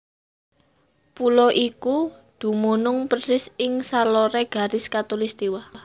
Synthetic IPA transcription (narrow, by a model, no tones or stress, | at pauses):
pulɔʔikud̪̥ṳmunʊŋpərsɪsɪŋsalɔɾɛɡ̥a̤ɾɪskat̪olist̪iwa